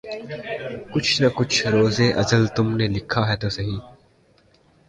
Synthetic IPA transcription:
kʊt͡ʃʰnɐkʊt͡ʃʰɾoːzeʔɐzəlt̪ʊmnelɪkʰːaɦɛːt̪oːsɐɦĩː

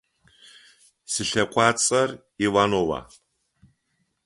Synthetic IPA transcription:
sɨɬɐkʷʰʼɑːt͡sʼɐr | iwanowa̰

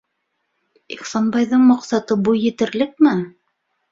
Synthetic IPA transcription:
iχsɑnbɑjðɤɴmɑqsɑt̪ɤbujːɘ̆t̪ɘ̆ɾlɘk̚mɘ

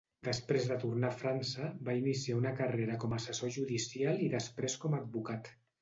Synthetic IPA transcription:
d̪əspɾezðət̪urnafɾansəbainisiaunəkareɾəkɔməsəsoʒuðisialˠiðəspɾeskɔmad̪̚bukat̪

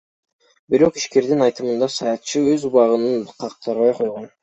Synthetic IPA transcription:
biɾo̞qiʃke̞ɾd̪inɑjt̪ɯmɯnd̪ɑsɑjɑt̪̚t͡ʃʰːɯøzuβɑʁɯnɯnqʰɑq̚t̪ʰɑɾβɑjqʰo̞jʁon

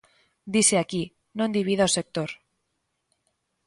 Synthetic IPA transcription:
d̪iseaki | nond̪iβiðaose̞k̚t̪oɾ

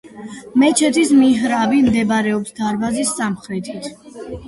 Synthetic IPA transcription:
mɛt͡ʃʰɛt̪ʰismiɦɾabimd̪ɛbɾɛɔpsd̪aɾbazisːamχɾɛt̪ʰit̪ʰ

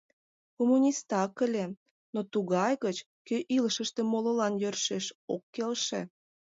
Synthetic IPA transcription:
komunʲist̪ɑkəlʲe | not̪uɣɑjɣət͡ɕ | køʔiləʃəʃt̪emololɑnjørʃeʃokːelʃḛ̆

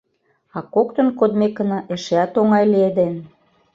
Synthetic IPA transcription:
ɑkokt̪ə̆nkod̪mekːə̆nɑʔeʃeɑt̪oŋɑjlied̪en

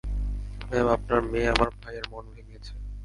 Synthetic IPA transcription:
memap̚naɾmeamaɾbʱajeɾmonbʱeniet͡ɕʰe

